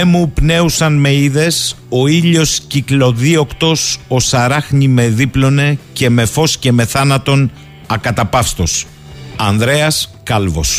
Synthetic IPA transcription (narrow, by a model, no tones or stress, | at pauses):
mupne̞usɐnme̞iðe̞s | o̞iʎo̞sciklo̞ðio̞kt̪o̞so̞sɐɾɐxɲime̞ðiplo̞ne̞ce̞me̞fo̞sce̞me̞θɐnɐt̪o̞n | ɐkɐt̪ɐpɐfst̪o̞s | ɐnðɾe̞ɐskɐlvo̞̰s